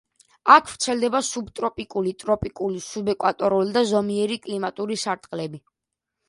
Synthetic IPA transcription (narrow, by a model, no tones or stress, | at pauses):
akʰv̥ɾt̪sʰɛld̪ɛbasubt̪ʼɾɔpʼikʼulit̪ʼɾɔpʼikʼulisubɛkʼwat̪ʼɔɾulid̪azɔmiɛɾikʼlimat̪ʼuɾisaɾt̪ʼqʼlɛbi